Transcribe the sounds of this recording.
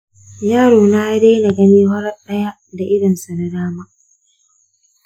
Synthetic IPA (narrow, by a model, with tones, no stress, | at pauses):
jaː˦ɽoː˨naː˦deː˦na˨ɡɐ˦niː˦ɦɐ˦ɾɐ˦ɗɐ˦ja˦da˨ʔɪ˦dɐ˨nsa˨na˨daː˦ma˦